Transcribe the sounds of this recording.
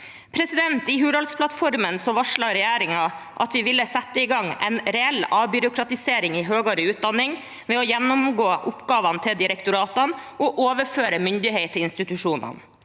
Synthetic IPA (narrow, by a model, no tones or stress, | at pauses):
pʰɾɛsɪd̪ɛnt̪ɪɦʉːd̪ɑlspʰlɑt̪fɔɾmənsɔʋɑʂɭɑɾɛjæːɾɪŋɑ | ʔɑt̪ʋɪʋɪlːəsɛt̪ːəɪɡɑŋːɛ̰nɾɛɛlːɑːbʏɾʊkʰɾɑt̪ɪseːɾɪŋɪɦøːɡoːɾəʉːt̪̚d̪ɑnːɪŋ | ʋɛɔjɛnːʊmɡoːʔʊpɡɑːʋɑnt̪ʰɪld̪ɪɾɛkt̪ʊɾɑːt̪ɑnʔɔʔoːʋəɾføːɾəmʏnd̪ɪheɪt̪ʰːɪɪnst̪ɪt̪ʉʂuːnə̰n